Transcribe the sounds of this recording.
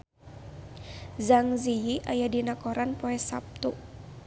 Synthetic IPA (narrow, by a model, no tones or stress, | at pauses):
zaŋzijiʔajadinakɔɾanpɔɛsa̰p̚t̪u